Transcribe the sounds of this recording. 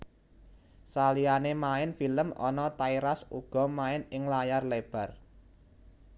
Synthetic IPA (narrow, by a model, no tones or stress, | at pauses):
salianemaɪnfiləmɔ̰nɔt̪aiɾasuɡ̥ɔ̤maɪnɪŋlajarleb̥a̤r